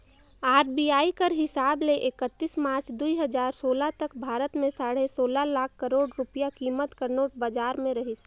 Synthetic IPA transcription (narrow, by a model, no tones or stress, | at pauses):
aːɾbiaːikəɾɦɪsaːbleʔɪkət̪ːismaːɾt͡ʃʰd̪uiɦəd͡ʒaːɾsoːlat̪əkbʱaːɾət̪mẽsaːɽesoːlalaːkʰːəɾoːɽɾʊpijakiːmət̪kəɾnoːʈ̚bad͡ʒaːɾmẽɾɐɦɪs